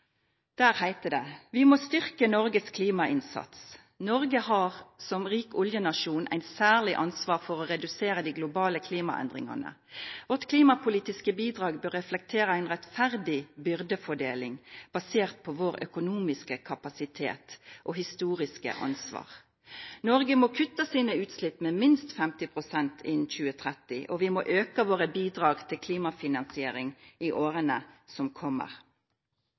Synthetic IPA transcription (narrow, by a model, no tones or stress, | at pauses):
d̪̥æːɾhæɪt̪əd̪ɛʋɪmost̪ʏʁkənɔɾɡəskʰliːmɑʔɪnsɑ̰t̪s | nɔʁɡəhɑʁsɔmʁiːkʊljənɑʂuːnʔæ̰ɪt̪sæːʁlɪʔɑnsʋɑːʁfɔʁɔʁɛd̪ʉseːɾəd̪iːɡlʊbɑːləkʰliːmɑ̰ʔɛ̰nd̪ʁɪ̰ŋɑ̰nə̰ | ʋɔʈ̪kʰliːmɑpʰʊliːt̪ɪskəbiːd̪ʁɑːɡbøːʁːɛflɛk̚t̪ʰeːɾəæɪnʁɛt̪fæʁd̪ɪbʏʁd̪əfɔɖḛːlɪŋb̥ɑseːʁt̪̚pʰɔʋoːɾœ̰kʊnuːmɪskəkʰɑpɑsɪt̪ʰḛːt̪ʔoɦɪst̪uːʁɪskə̰ʔɑ̰nsʋɑ̰ːʁ | nɔʁɡəmɔkʰʉt̪ːəsiːnəʉːt̪slɪpːmɛːmɪnst̪fɛmt̪ɪpʰʁʊsɛnt̪ʰɪnçʉːət̪ʰʁɛt̪ɪʔɔʋɪmoːʔøːkəʋoːʁəbiːd̪ʁɑːɡt̪ʰɪlkʰliːmɑfɪnɑnsɪeːɾɪŋɪʔoːʁənəsɔmkʰɔmːə̰ʁ